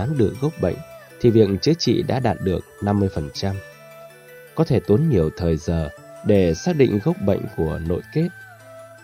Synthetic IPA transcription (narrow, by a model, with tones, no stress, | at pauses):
aː˨˦nɗɨ˨˩ək̚ɣə˦˥wk͡p̚ɓə̰˧˨jŋ̟t̪ʰi˨˩vḭ˨˧˨əŋt͡ɕɨ˨˦ət͡ɕḭ˧˨ɗa̰ː˧˥ɗaː˨˩t̚ɗɨ˨˩ək̚na˧mːɨ˧əjfə˨˩nt͡ɕa˧m | kɔ˨˦t̪ʰe˧˩t̪u˨˦nɲi˨˩əwt̪ʰəː˨˩jzəː˨˩ | ɗe˧˩saː˦˥k̚ɗḭ̈˧˨ŋ̟ɣə˦˥wk͡p̚ɓə̰˧˨jŋ̟ku˧˩əno̰˧˨jke˦˥t̚